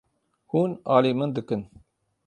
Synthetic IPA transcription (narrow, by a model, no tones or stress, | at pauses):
huːnɑːliːmɨnd̪ɨkɨn